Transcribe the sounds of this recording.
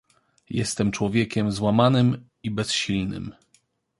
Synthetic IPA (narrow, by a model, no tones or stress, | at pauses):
jɛ̰st̪ɛmt͡ʂwɔvʲjɛkʲɛmzwamanɘm | ibɛsɕilnɘ̰m